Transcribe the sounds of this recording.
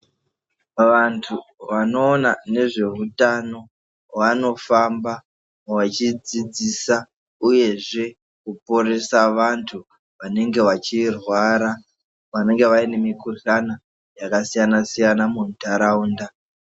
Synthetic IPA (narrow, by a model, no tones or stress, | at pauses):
ʋantʰuʋano̞ːnane̞ʐe̞utano̞ | wano̞famba | wat͡ʃid͡zid͡zisa | uje̞ʐe̞ | kupoɾe̞saʋantʰu | ʋane̞ŋɡe̞ʋat͡ʃirwaɾa | ʋane̞ŋɡe̞ʋaine̞mikuɬana | jakasijanasijanamuntaɾauːnda